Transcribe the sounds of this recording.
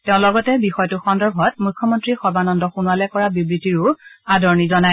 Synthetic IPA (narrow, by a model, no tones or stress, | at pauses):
teʊ̃lɔɡɔtɛbixɔjtʊxɔndɔɹbʱɔtmujkʰːɔmɔntɹixɔbanɔndɔxunuwalɛkɔɹabibɹitiɹʊadʱɔɹnizɔnaj